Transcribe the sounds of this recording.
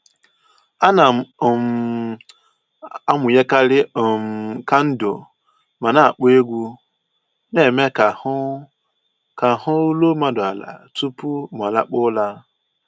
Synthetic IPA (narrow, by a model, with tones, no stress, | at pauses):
a˦na˨m | a˦mʊ˨je˦ka˦ɾɪ˦˨ka˦n̩˦do˨ | ma˨na˦a˨k͡pe˦ɡʷu˦ | ne˨me˦ka˨˦ | ka˨hʊ˦u˦lo˦ma˨dʊ˨a˨la̰˨tu˦pu˦m˨a˨la̰˦k͡pʊ˦la˦